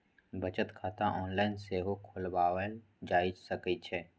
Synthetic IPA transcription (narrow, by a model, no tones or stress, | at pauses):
bət͡ʃət̪kʰaːt̪ãʔɔːnlaːɪnseɦokʰʊlbaːwəl | d͡ʒaːisəkit͡ʃʰɛː